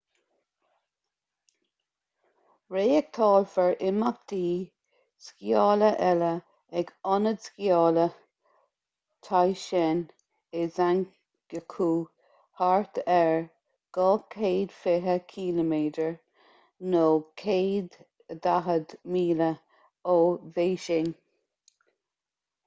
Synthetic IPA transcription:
ɹeːɛk̚t̪ʰɑːlfəɹʔɪmak̚d̪̥iː | skjɑːləʔɛlə | ɛɡɔnədskjɑːlə | t̪ʰajʃɛn | ɪzan | ɡ̥əkʰuː | haɹt̪ɛɹ | ɡ̥ɑːkʰeːd̪̥fɪɦəkʰiːləmeːdəɹ | noːkʰeːd̪ | d̪aɦəd̪miːlə | oːveːʃɪn

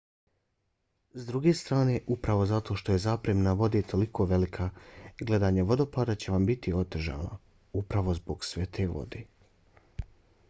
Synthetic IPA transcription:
zd̪ɾuɡe̞st̪ɾaːne̞ːʔupɾaʋo̞zat̪o̞ʃt̪o̞jezaːpɾeːmnaʋo̞d̪et̪ʰo̞likʰo̞ʋe̞likʰaɡle̞d̪aːɲaʋo̞d̪o̞paːd̪at͡ɕe̞ʋambit̪io̞t̪eʒa̰no̰ | upɾaʋo̞zboɡsʋet̪ʰe̞ːʋo̰d̪eː

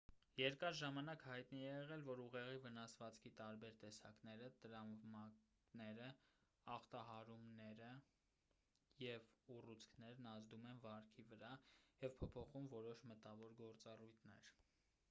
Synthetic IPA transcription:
jɛɾkɑɾʒɑmɑnɑkhɑjt̪niɛjɛʁɛlvɔɾuʁɛʁivənɑsvɑt͡skʰit̪ɑɾbɛɾt̪ɛsɑ̰knɛɾət̪əɾɑmmɑ | nɛɾə | ɑχt̪ɑɦɑɾumnɛɾə | jɛvurut͡sʰkʰnɛɾnɑzd̪umɛnvɑɾkʰivəɾɑjɛvpʰɔpʰɔχumvɔɾɔʃmət̪ɑvɔɾɡɔɾt͡sɑrujt̪ʰnɛ̰ɾ

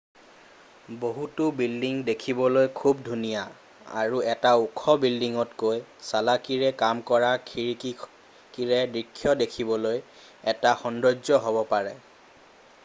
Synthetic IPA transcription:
boɦutʊbildiŋdekʰibɔlojkʰubdʱunija | a̰ɹuɛtaukʰɔbildiŋɔtkojsalakiɹɛkamkɔɹakʰiɹiki | kiɹɛdɹikʰːjɔdekʰibɔloj | ɛtaxɔndɔd͡ʒɔɦobɔpaɹɛ

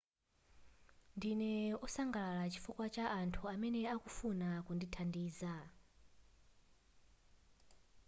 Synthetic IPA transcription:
ndinɛusaŋɡalaɺat͡ʃi̥fukwat͡ʃaʔantʰuamɛnɛakufunakunditʰandiːza

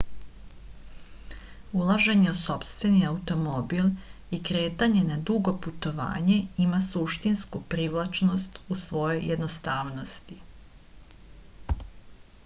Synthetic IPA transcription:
ulˠaʒe̞ɲe̞uso̞pst̪ʋe̞niaut̪o̞mo̞bil | ikɾe̞ːt̪aɲe̞nad̪uɡo̞put̪o̞ʋa̰ːɲe̞imasuʃt̪inskupɾiʋlˠat͡ʃno̞st̪usʋo̞jo̞jjʔed̪nost̪aːʋno̞st̪i

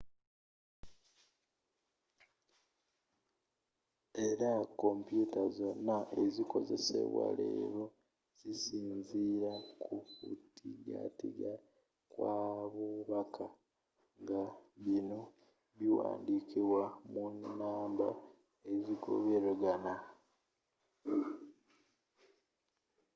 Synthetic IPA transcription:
e̞ɾako̞mpjutazo̞nːaʔeziko̞ze̞sḛβwa̰lḛːɾo | z̥isiːnziɾakʰufutiɡa̰tiɡa | kwaβuβakʰa | ŋɡaβino̞ | βiwa̰ːndikiβwamunːaːmba | eziɡo̞̰βeɾeɡana

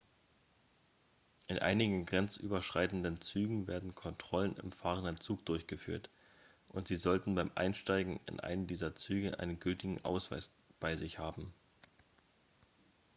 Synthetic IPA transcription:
ʔɪnʔa̰ɪnɪɡŋ̩ɡʁɛnt͡sʔyːbɐʃʁ̥aɪtn̩dənt͡syːɡŋ̩vḛːɐdn̩kʰɔntʁ̥ɔlənɪ̰mfaːʁəndənt͡suːk̚d̥ʊɐçɡ̥əfy̰ːɐt | ʔʊntz̥iːzɔltn̩baɪmʔa̰ɪnʃtaɪɡŋ̩ɪ̰nʔa̰ɪnəndiːzɐt͡syːɡəʔa̰ɪnənɡʏltɪɡŋ̩ʔa̰ʊsv̥a̰ɪs | b̥aɪzɪçhaːbm̩

